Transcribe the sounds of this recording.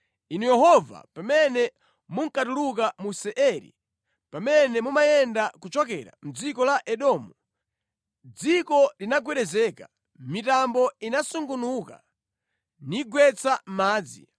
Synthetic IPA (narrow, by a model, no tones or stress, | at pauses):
inujɛɦɔva̰pamɛnɛ | muŋ̩katuluk̬amusɛʔɛɾḭ | pamɛnɛmumajɛndakut͡ʃɔk̬ɛ̰ɾa̰m̩d͡zikɔlaʔɛɗɔːmu | d͡zikɔlinaɡwɛɗɛzɛːka | mitambɔinasuŋɡunuka̰ | niɡwɛt͡sammaːd͡zḭ